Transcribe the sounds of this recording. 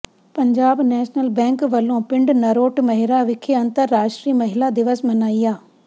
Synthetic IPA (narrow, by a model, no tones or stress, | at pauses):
pɐɲd͡ʒaːbnɛːʃnəlbɛ̃ːŋkʋɐlõːpɪ̃ɳɖnɐɾoːʈmɐɦɪɾaʋɪkʰeɐ̃nt̪əɾːaːʃʈɾiːmɐɦɪlad̪ɪʋəsmɐnaːijaː